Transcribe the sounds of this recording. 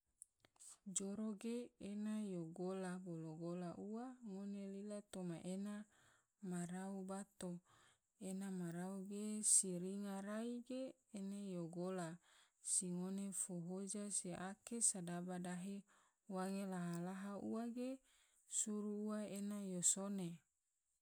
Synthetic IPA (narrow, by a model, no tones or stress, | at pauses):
d͡ʒoɾoɡeenajoɡolaboloɡolaʔuwaŋonelilat̪omaʔena | maraubat̪o | enamaɾauɡesiɾiŋaɾaiɡeː | najoɡola | siŋonefoɦod͡ʒasiʔakesadabadaɦe | waŋelaɦalaɦaṵwaɡe | suɾuːaenajosone